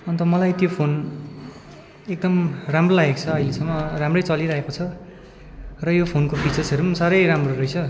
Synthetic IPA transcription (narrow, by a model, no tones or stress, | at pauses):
ʌnt̪ʌmʌlajt̪jopʰon | ek̚d̪ʌmramrolaɦekt͡sʰʌʌjlesʌŋmːʌramrʌjt͡sʌliɾaɦekot͡sʰʌ | rʌjopʰonkopit͡sʌt͡sʌɾusaɾʌjɾamroɾʌjt͡sʰʌ